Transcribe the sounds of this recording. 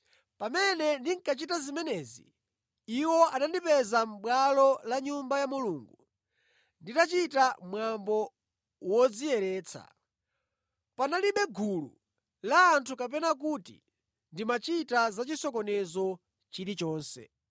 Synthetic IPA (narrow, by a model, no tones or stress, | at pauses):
pamɛnɛndiŋ̩kat͡ʃitazimɛnɛzḭ | iwɔʔanandipɛzam̩ɓwalɔlaɲumbajamuluːŋɡu | nditat͡ʃitamwambɔ | wɔd͡zijɛɾɛːt͡sʰa̰ | panaliɓɛɡulṵ | laːntʰukap̬ɛnak̬utḭ | ndimat͡ʃitazat͡ʃisɔkɔnɛzɔ | t͡ʃiɾit͡ʃɔːnsɛ̰